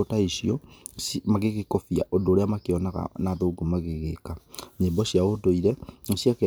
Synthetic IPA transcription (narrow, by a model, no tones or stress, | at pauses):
otaisiɔ | maɣeɣekɔfia̰ʔodoːɾeamakeɔnaɣa̰naðoːɡomaɣeɣekaɲembɔɕjaodoiɾɛosiake